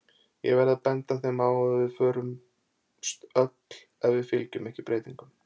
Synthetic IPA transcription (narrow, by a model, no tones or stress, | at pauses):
jɛ̰ɣvɛɾðaðpɛnt̪aθejmaːwɔðvɪðfœːɾʏm | st̪œt̪l̥ | aðvɪðfɪlcʏmɛhcɪpɾeːjt̪iŋkʏm